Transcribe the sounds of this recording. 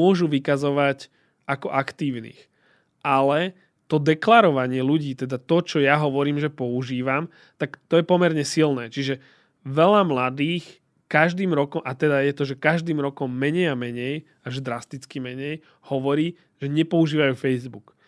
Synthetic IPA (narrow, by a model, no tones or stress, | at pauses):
ʊɔʒuʋikazɔʋac | ʔakɔʔakt̪iːʊnḭːx | ʔalɛ | t̪ɔd̪ɛklaɾɔʋaɲɪɛluɟiːt̪ɛd̪at̪ɔt͡ʃɔjaɦɔʋɔɾiːmʒɛpɔuʒiːʋam | t̪akt̪ɔjɛpɔmɛɾɲɛsilnɛːt͡ʃiʒɛ | ʋɛʎamlad̪iːx | kaʒd̪iːmɾɔkɔmʔat̪ɛd̪ajɛt̪ɔʒɛkaʒd̪iːmɾɔkɔmːɛɲɛjamɛɲɛj | aʒd̪ɾast̪it͡skimɛɲɛj | hɔʋɔɾiː | ʒ̥ɛɲɛpɔuʒiːʋajuːfɛjzbuk